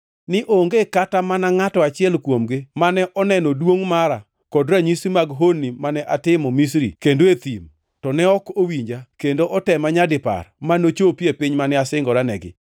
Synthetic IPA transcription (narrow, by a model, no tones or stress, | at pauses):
nɪʔoŋɡekatamanaŋatɔat͡ʃɪɛlkwomɡɪmanɛʔɔnɛnɔdwoŋmaɾa | kɔdɾaɲisimaɡɦonːimanɛʔatɪmɔmis̬ɾikendoet̪im | tɔnɛɔkowiɲd͡ʒakendoʔɔtɛmaɲadɪpa̰rmanot͡ʃopjepɪɲmanɛasɪŋɡɔɾanɛ̰ɡɪ̰